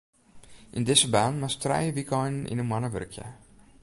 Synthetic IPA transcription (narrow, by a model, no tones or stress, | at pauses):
ʔindɪzəbaːnmastrɛ̰jəʋikɔjnənʔḭnənmwanəʋø̰rkʰjə̰